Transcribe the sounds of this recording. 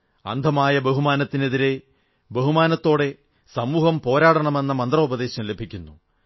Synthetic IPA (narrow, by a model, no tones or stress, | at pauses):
ɐ̰nd̪ʱɐmaːjɐbeɦumaːnɐt̪ːine̞ðiɾe̞ | beɦumaːnɐt̪ːo̞ːɽe̞ | sɐmuːɦɐmpo̞ːɾaːɽɐɳɐme̞nːɐmɐnd̪rɐubɐðe̞ːɕɐmle̞bʱikʲːunːu